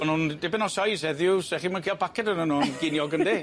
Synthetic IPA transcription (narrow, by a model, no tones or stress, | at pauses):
ɔnundɛbɛnɔsajsɛðjʊsɛχimakelˠbʰakɛdənənɔnɡɪnjɔɡənde